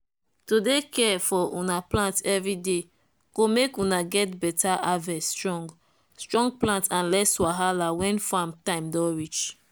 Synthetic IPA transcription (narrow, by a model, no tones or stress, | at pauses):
todekɛfɔʔunaplãntɛvɹide | komekunaɡɛtbɛtʰaʔavɛsːtɹɔ̃ŋɡ | stɹɔ̃ŋɡ̚plãntãnlɛswaɦalawɛ̃nfãmtãɪ̃mdɔ̃ɹit͡ʃ